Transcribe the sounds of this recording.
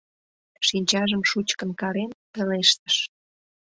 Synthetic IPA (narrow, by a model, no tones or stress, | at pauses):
ʃinʲt͡ɕɑʒəmʃut͡ɕkənkɑɾenpeleʃt̪ə̥ʃ